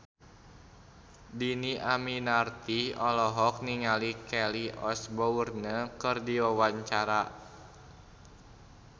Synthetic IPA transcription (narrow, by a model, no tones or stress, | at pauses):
diniʔaminart̪iɔlɔɦɔk̚niŋalikɛliɔsbɔurnəkɨrdiwawaɲt͡ʃaɾa